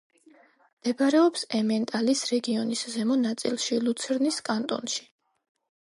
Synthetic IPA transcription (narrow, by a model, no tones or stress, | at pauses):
md̪̥ɛbɾɛɔpsɛmɛnt̪ʼalisɾɛɡiɔniszɛmɔnat̪sʼḭlˠʃilˠut̪sʰɛɾniskʼant̪ʼɔ̰nʃi̥